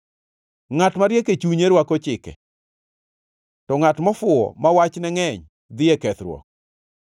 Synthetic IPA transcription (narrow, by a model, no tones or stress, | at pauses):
ŋatmaɾjeket͡ʃuɲeɾwakɔt͡ʃɪkɛ̰ | tɔŋatmɔfʊɔ̰mawat͡ʃnɛŋɛɲ | d̪ɪekɛt̪ɾwɔ̰k̚